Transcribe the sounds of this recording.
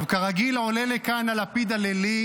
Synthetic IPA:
vkaʁaɡilolelekanalapid̪aleli

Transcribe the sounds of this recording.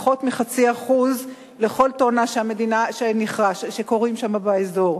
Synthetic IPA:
χo̞tmiχat͡siaχuz | le̞χo̞ltoanaʃeame̞dinaʃeniχʁaʃʃeko̞ʁimʃamabaezo̞ʁ

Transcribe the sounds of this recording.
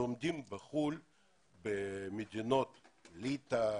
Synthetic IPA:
omd̪imbeχul | bemed̪inot̪lit̪a

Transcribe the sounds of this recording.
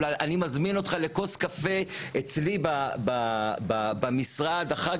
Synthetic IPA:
ajanimazmino̞t̪χaleko̞skafe̞et͡slibabababamisʁad̪aχat

